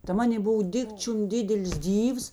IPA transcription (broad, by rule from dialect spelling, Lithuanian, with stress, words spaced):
tɐ ˈmɑːnʲeː ˈboːw ˈdʲɪkt͡ʃʲʊm ˈdʲɪdʲɛlʲɪs ˈdʲiːws